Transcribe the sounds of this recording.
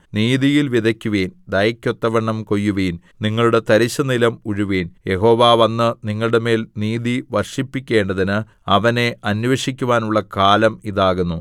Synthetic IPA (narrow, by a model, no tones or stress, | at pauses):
niːðijilʋiðɐkʲːuʋeːnd̪ɐjɐkʲːot̪ːɐʋɐɳːɐmko̞jːuʋiːn | niŋːɐɭuɽe̞t̪ɐɾiɕːɐnilɐmuɻuʋeːnje̞ɦo̞ːʋaːʋɐnːɨniŋːɐɭuɽeme̞ːlniːðiʋɐrʂipːikʲːe̞ːɳɖɐðinɨ | ɐʋɐne̞ɐnʋeʂikʲːuʋaːnuɭːɐkaːlɐmiðaːɣunːu